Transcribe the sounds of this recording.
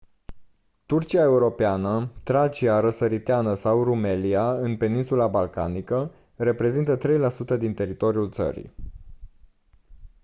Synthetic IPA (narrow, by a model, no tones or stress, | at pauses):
t̪urt͡ʃiae̞uɾo̞peanət̪ɾat͡ʃiaɾəsəɾit̪eanəsawrume̞liaɨnpe̞ninsulabalka̰nikə | re̞pɾe̞zint̪ət̪ɾe̞jlasut̪əd̪int̪e̞ɾit̪o̞ɾijult̪sə̰ɾḭ